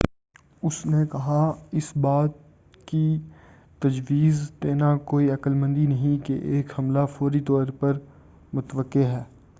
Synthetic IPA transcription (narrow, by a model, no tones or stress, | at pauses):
ʊsnekɐɦaɪsbaːt̪̚ | ki | t̪ɐd͡ʒʋiːzt̪eːnakoːiɐkəlmə̃nd̪inɐɦĩkeʔeːkhɐmlafoːɾit̪ɔːɾpɐɾ | mʊt̪ʋəkːeɦɛː